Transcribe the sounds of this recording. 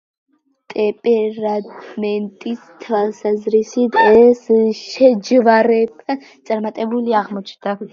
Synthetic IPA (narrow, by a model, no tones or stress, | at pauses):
t̪ʼɛpʼɛɾamɛnt̪ʼist̪ʰwalˠsazɾisit̪ʰɛsʃɛd͡ʒvaɾɛbat̪sʼaɾmat̪ʼɛbuliaʁmɔt͡ʃʰnd̪a